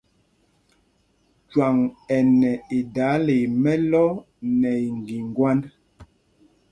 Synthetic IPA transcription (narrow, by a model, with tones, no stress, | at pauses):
t͡ʃwa˨ŋɛ˨nɛ˨e˨da˨˦le˨mɛ˦lɔ˦ | nɛ˨i˨ŋɡi˨ŋɡwa˦n